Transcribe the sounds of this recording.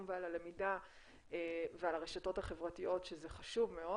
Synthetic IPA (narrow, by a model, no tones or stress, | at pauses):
mvealalemida | evealaʁeʃato̞thaχevʁatijo̞tʃezeχaʃuvmeo